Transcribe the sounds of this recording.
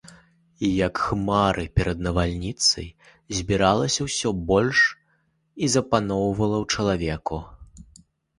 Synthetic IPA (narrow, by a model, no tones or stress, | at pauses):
ijɐkxmaɾʔɨpʲɛɾɐd̪nɐvalʲnʲit̪sɐj | zʲbʲiɾalˠɐsʲɐwsʲɔbɔlʲʂ | izɐpanɔwvɐlˠɐwt͡ʂɐlˠavʲɛku